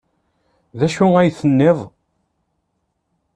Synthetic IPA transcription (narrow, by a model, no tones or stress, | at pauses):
ðæʃʊæjθənːɪðˤ